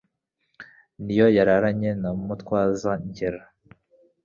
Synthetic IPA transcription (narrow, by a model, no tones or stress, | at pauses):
nijo̞jaɾaɾaɲe̞namutkwaːzaɲɟeɾa